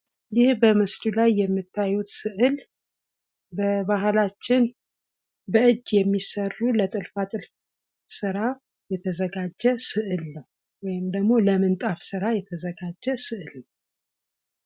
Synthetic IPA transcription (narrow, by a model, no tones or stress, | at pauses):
jɪhbəmɨslulajːɛmːɨt̪ʰːajut̪sɨʔɨl | bəβahlat͡ʃːɪn | bəɨd͡ʒːjɛmːisərːulət̪ʼɨlfat̪ʼɨlf | sɨɾa | jɛt̪ʰəzəɡad͡ʒːɛsɨʔɨlːəw | wɔjɪmd̪əɡmo̞ləmɨnt̪ʼafsɨɾajɛt̪ʰəzəɡad͡ʒːɛsɨʔɨlnəw